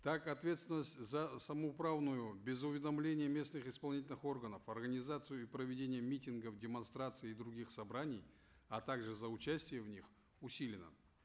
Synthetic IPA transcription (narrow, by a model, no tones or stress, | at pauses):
t̪akɐt̪vʲet̪st̪vʲɪnːəsʲtʲzəsəməʊpɾavnʊjʊbʲɪzʊvʲɪd̪ɐmlʲenʲɪjəmʲe̞snɨxɪspɐlˠnʲitʲɪlʲnɨxo̞rɡənəfɐrɡənʲɪzat̪sɨjʊipɾəvʲɪdʲenʲɪjəmʲitʲɪnɡəfdʲɪmɐnst̪ɾat̪sɨɪːd̪ɾʊɡʲixsɐbɾanʲɪj | at̪aɡʐɨzəʊt͡ɕæsʲtʲɪjəvnʲix | ʊsʲilʲɪnə̰